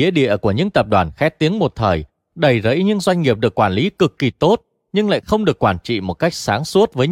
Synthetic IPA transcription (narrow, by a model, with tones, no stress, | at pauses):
ḭ˧˥əɗḭ˧˨əku˧˩əɲɨ̰˧˥ŋt̪ə˨˩p̚ɗwaː˧˨˩nxɛ˦˥t̪i˨˦əŋmo˨˩t̚t̪ʰəː˨˩j | ɗə˨˩jzə̰˧˥jɲɨ̰˧˥ŋzwa˧jŋ̟ŋi˨˩əp̚ɗɨ˨˩əkːwaː˧˩nli˨˦kɨ˨˩kːi˨˩t̪o˦˥t̚ | ɲɨ˧ŋla̰ː˧˨jxə˧wŋ͡mɗɨ˨˩əkːwaː˧˩nt͡ɕḭ˧˨mo˨˩t̚ka˦˥jk̟̚saː˨˦ŋsu˦˥ət̚vəː˨˦j